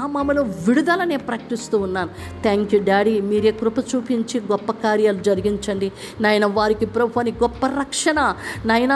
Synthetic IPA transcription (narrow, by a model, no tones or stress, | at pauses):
aːmɐmɐloːʋiɽud̪ɐlɐne̞ːpɾɐkɐʈist̪uːnːaːnu | t̪ʰaːŋkjuːɖaːɽimiːɾeːkɾupɐt͡ʃuːpiɲt͡ʃiɡɔpːɐkaːɾjaːlud͡ʒɐɾiɡiɲt͡ʃɐɳɖi | nɐjɐnɐʋaːɾikipɾɐbʱuɐniɡɔpːɐɾɐkʂɐɳɐnɐjnɐ